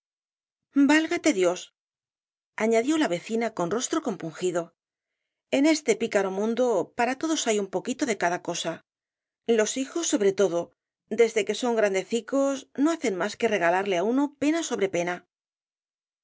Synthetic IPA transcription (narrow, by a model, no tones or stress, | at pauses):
balɣat̪e̞ðjo̞s | aɲaðjo̞laβ̞e̞θinako̞nro̞st̪ɾo̞ko̞mpuŋxiðo̞ | e̞ne̞st̪e̞pikaɾo̞mũnd̪opaɾat̪o̞ðo̞sajumpo̞kit̪o̞ðe̞kaðako̞sa | lo̞sixo̞sːo̞βɾe̞t̪o̞ðo̞ | d̪e̞zðe̞ke̞so̞ŋɡɾand̪e̞θiko̞sno̞aθe̞nmaske̞re̞ɣ̞alaɾle̞auno̞pe̞naso̞β̞ɾe̞pe̞na